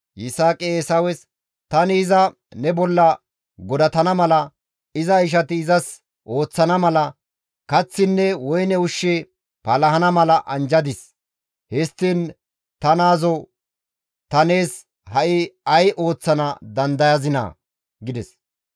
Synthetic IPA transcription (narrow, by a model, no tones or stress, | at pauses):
jɪsaːkʼeeːsɐwɛs | t̪ɐnɪːzɐ | nɛbɔlːɐ | ɡɔd̪ɐt̪ɐnɐmɐlɐ | ɪzɐɪʃ̬ɐt̪ɪːzɐs | ʔo̞ːt͡sːɐnɐmɐlɐ | kɐt͡sːɪnːɛwɔjnɛʊʃːe | pɐlɐɦɐnɐmɐlɐʔɐnd͡ʒɐd̪ɪs | hɛst̪ːin | t̪ɐnaːzɔ | t̪ɐne̞ːs | hɐʔɪɐjʔo̞ːt͡sːɐnɐd̪ɐnd̪ɐjɐzɪnɐ̰ | ɡɪd̪ɛs